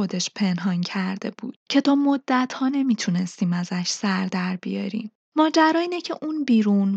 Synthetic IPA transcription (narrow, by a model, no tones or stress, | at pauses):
o̞d̪e̞ʃpʰe̞nɦɒncʰæɾd̪e̞bṵːd̪̥cʰe̞t̪ʰɒːmod̪̥ːæt̪ʰhɒːne̞miːt̪ʰune̞st̪iːmæzæʃsæɾd̪æɾbijɒ̰ɾḭːm | mɒːd͡ʒæɾɒːiːnecʰeʔuːnbiːɾun